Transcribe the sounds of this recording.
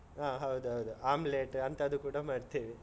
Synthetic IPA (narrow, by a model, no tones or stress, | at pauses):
ɦaːɦɐwd̪uɦɐwd̪uaːmleːʈɐnt̪ɐd̪ukuːɽɐmaːɽt̪iːʋi